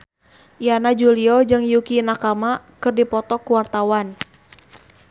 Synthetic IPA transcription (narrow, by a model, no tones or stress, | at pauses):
ʔianad͡ʒuliɔd͡ʒɨŋjukinakamakɨrdipɔt̪ɔkuwart̪awan